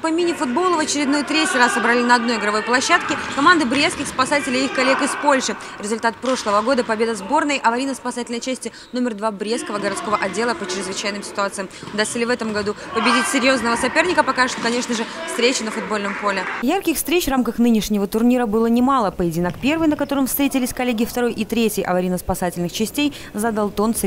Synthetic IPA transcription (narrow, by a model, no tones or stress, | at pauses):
pɐmʲinʲɪfʊd̪̚bo̞lˠəvət͡ɕɪɾʲɪd̪nojt̪ɾʲetʲɪjrasːəbɾɐlʲinɐd̪no̞jɪɡɾɐvo̞jplˠɐɕːat̪kʲɪkɐmand̪ɨbɾʲeskʲɪxspɐsatʲɪlʲɪixkɐlʲekɪspo̞lʲʂɨ | ɾʲɪzʊlʲt̪at̪̚pɾo̞ʂlˠəvəɡo̞d̪əpɐbʲe̞d̪əzbo̞rnəjʔɐvɐɾʲinəspɐsatʲɪlʲnəjt͡ɕæsʲtʲɪ | no̞mʲɪrd̪vabɾʲet̪skəvəɡəɾɐt̪sko̞vəʔɐdʲːe̞lˠəpət͡ɕɪɾʲɪzvɨt͡ɕæjnɨmsʲɪ̥t̪ʊat̪sɨjəm | ʊd̪asʲt̪səlʲɪvɛt̪əmɡɐd̪u | pəbʲɪdʲitʲsʲɪɾʲjo̞znəvəsɐpʲe̞rnʲɪkəpɐkaʐɨ̥t̪okɐnʲe̞ʂnəʐɨfst̪ɾʲet͡ɕɪnəfʊd̪̚bo̞lʲnəmpo̞lʲɪjarkʲɪxfst̪ɾʲet͡ɕvramkəxnɨnʲɪʂnʲɪvət̪ʊrnʲiɾəbɨlˠənʲɪmalˠəpəjɪdʲɪnakpʲe̞rvɨjnəkɐt̪o̞ɾəmfst̪ɾʲetʲɪlʲɪsʲkɐlʲːeɡʲɪft̪ɐɾo̞jʔit̪ɾʲetʲjɪjʔɐ̰vɐɾʲinəspɐsatʲɪlʲnɨxt͡ɕɪsʲtʲej | zad̪ɐlˠt̪o̞nt̪s